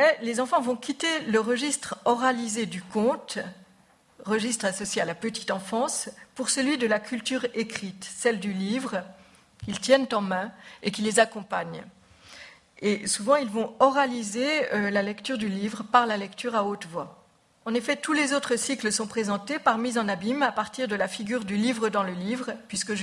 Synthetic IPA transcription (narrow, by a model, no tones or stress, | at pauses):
ɛlezɑ̃fɑ̃vɔ̃kʲit̪eləʁəʒist̪χɔʁalized̪ykɔ̃t̪ | ʁəʒist̪χasɔsjealapət̪i̥t̪ɑ̃fɑ̃spuʁsəlɥid̪əlakʲʰylt̪yʁekχit̪sɛld̪ylivʁ | kʲilt̪jɛnt̪ɑ̃mɛ̃ekʲilezakɔ̃paɲ | esuvɑ̃ilvɔ̃ɔʁalizeølalɛkt̪yʁd̪ylivʁəpaʁlalɛkt̪yʁaot̪vwa | ɑ̃nefɛt̪ulezot̪χəsikləsɔ̃pχezɑ̃t̪epaʁmizɑ̃nabimapaʁt̪iʁd̪əlafiɡʲyʁd̪ylivʁəd̪ɑ̃ləlivʁəpɥiskəʒ